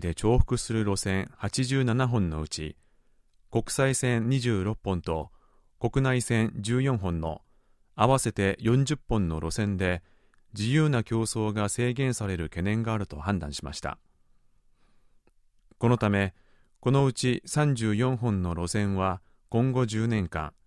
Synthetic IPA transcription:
d̪e̞t͡ɕo̞ːɸɯ̟̥kɯ̟sɨɾɯ̟ɾo̞sẽ̞ɰ̃hat͡ɕiʑɨːnanaɦõ̞nːo̞̰̟t͡ɕi | ko̞kɯ̟̥saisẽ̞nɲiʑɨːɾo̞pːõ̞nt̪o̞ | ko̞kɯ̟naisẽ̞nd͡ʑɨːjõ̞ɰ̃ɦõ̞nːo̞̰ | aβase̞t̪e̞jõ̞ɲ̟d͡ʑɨpːõ̞nːo̞ɾʔo̞sẽ̞nd̪e̞ | d͡ʑijɯːnakʲo̞ːso̞ːɡase̞ːɡẽ̞ɰ̃saɾe̞ɾɯ̟ke̞nẽ̞ŋɡaːɾɯ̟t̪o̞̰hãnd̪ã̰ɰ̃ɕi̥ma̰ɕi̥t̪a̰ | ko̞no̞t̪ame̞ | ko̞no̞ɯ̟t͡ɕisãɲ̟d͡ʑɨːjõ̞ɰ̃ɦõ̞nːo̞ɾo̞sẽ̞ɰ̃βa | kõ̞ŋɡo̞d͡ʑɨːnẽ̞ŋkã̰ŋ

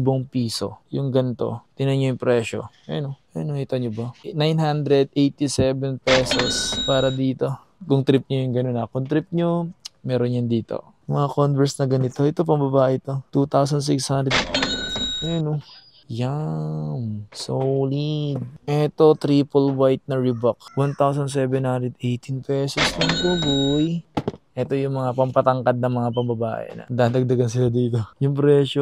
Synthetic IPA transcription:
boŋpiːso̞̰jʊŋɡɐnt̪o̞̰t̪ɪnɐɲojʊŋpɾɛːʃo̞̰ | ɛnoʔɛnoŋɪt̪ɐɲobɐnajnɦand̪ɾɛd̪̚ejt̪isɛvɛnpɛsospaːɾɐd̪iːt̪o̞ | kʊŋt̪ɾɪp̚ɲojʊŋɡɐnonɐkʊnt̪ɾɪp̚ɲomɛːɾonjɐnd̪iːt̪o̰ | mɐŋɐkonvɛɹsnɐɡɐnɪt̪o̞ʔɛt̪o̞p̬ɐŋbɐbaːʔɪʔt̪o̞t̪ut̪aws̬ɐns̬ɪkshand̪ɾɛd̪̚ | ʔɛno | jamsowlid̪̚ʔɛt̪o̞t̪ɾiːpolwajt̪̚nɐɹɪbɐkwant̪awsɐnsɛːbɛnhand̪ɾɛd̪ʔɛjt̪ʰinpɛːsosnɐŋt̪ubʊjʔɛt̪o̞jʊŋmɐŋapɐmpɐt̪ɐŋkɐd̪̚nɐŋmɐŋapɐŋbɐba̰ːʔɛ̰nɐ̰d̪aːd̪ɐɡ̚d̪ɐɡɐnsɪlad̪iːt̪o̞jʊŋpɾɛːʃo

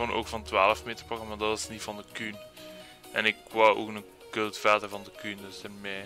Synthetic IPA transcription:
onʔo̰ːkfɑntwaːləfmeːtərpoɣəmaːdɑtɑsnivɑndəkyn | ʔɛ̰nɪkwawʔo̰ːknə | kɵlˠtfɛːtəvɑndəkyndɵsɛmɛː

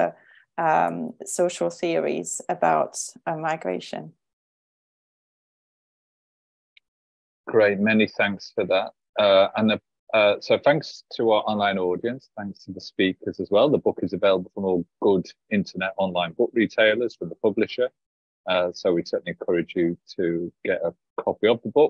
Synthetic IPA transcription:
ə | ʌmsoʊʃəlˠθɪəɹḭz̥əba̰ʊtəmaɪɡɹḛɪʃə̰̃n | ɡ̥ɹeɪt̚mɛniθæ̃ŋksfəðat̚ | ʌə̃nə | ʌsoʊθæ̃ŋkstʰəaʊəʔɒ̃nlãɪ̃nɔːdiə̃nsθæ̃ŋkstʰəðəspiˑkʰəzəzwɛlˠðəbʊkɪzəveɪləbəl̩ˠfɹə̃mɔːlˠɡ̥ʊd | ɪ̃ntʰənɛtɒ̃nlãɪ̃nb̥ʊkɹitʰeɪləz̥fɹə̃mðəpʰʊblɪʃə | ʌsoʊwisɜˑʔn̩iɛ̃nkʰʌɹɪd͡ʒjətʰəɡ̥ɛtə | kʰɒpiəvðəbʊk̚

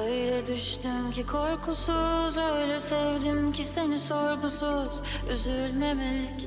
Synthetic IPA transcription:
øjlɛd̪yʃt̪ymcʰikʰo̞ɾkʰusuzøjlʲɛsɛvd̪imcʰise̞niso̞ɾbusuz̥ | yzylʲmemɛc

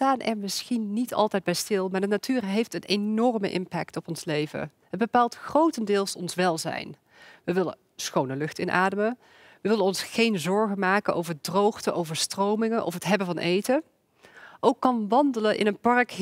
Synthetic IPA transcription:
taːnʔɛ̰ɹmɪsxinːitʰɑ̰lˠtɛjd̚bɛjstɪlˠmaːɹdənatyːrɦejftənenɔrmə̰ʔɪ̰mpɛktɔpɔnslejvə̰ɦəd̚bəpaːlˠtxrowtəndɪːlˠsɔnsʋɛlˠzɛ̰jn | ʋəʋɪlə̰ | sxownəlɵxtɪnʔa̰ːdəmə | ʋəʋɪlənɔnsχejnzɔɹɣənmaːkənʔo̰wvəɹdrowχtəʔowvəɹstrowmɪŋənʔɔ̰fɦətɦɛbənvɑnʔejtə | ʔowkːɑnʋɑndələnʔɪ̰nənpɑɹk

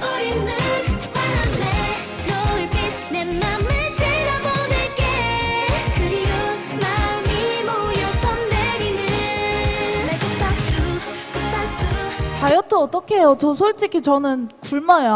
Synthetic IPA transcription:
ʌɾinːɯnaande | nʌɯɭke | nemːanːeɕʰiɾabod̪eɭk͈e | kɯɾio | maɯmimojosʰʌndeɡinɯ | met͈aktkɯt͈at͈ɯkajʌtʰoʌt͈ʌkʰeɦejot͡ɕʌsʰoɭt͡ɕ͈ikʰit͡ɕʌnɯnkuɭmaja

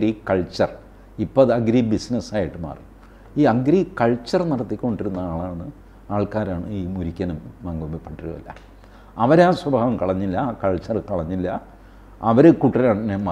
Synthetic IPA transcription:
ɾikɐɭt͡ɕɐr | ipːoɐðɨɐɡɾibisnɐsaːjiʈːɨma̰ːrin | iːɐɡɾikɐɭt͡ɕːɐrniɽɐt̪ːikʲːo̞ɳɖiɾunːɐaːɭaːɳɨ | aːɭkaːɾaːɳɨiːmuɾikʲːɐnɐmmɐŋɡomepːɐʈːiɾṵɐ̰lːɐ̰ | ɐʋɐɾaːswɐbʱaːʋɐmkɐɭɐɲːilːɐkɐɭt͡ɕːɐrɨkɐɭɐɲːilːɐ | ɐʋɐɾɨkuʈːɐlaːɳinemɐ

